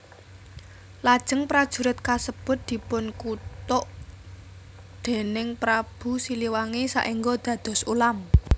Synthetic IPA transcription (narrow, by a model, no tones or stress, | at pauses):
lad̥ʒ̥ə̤ŋpɾad̥ʒ̥ṳɾɪt̪̚kasəb̥ʊ̤t̪̚d̪̥i̤pʊnkut̪ʊʔ | d̪̥e̤nɪŋpɾab̥ṳsiliwaŋesa̰ʔiŋɡɔd̪̥ä̤d̪̥ɔ̤sulam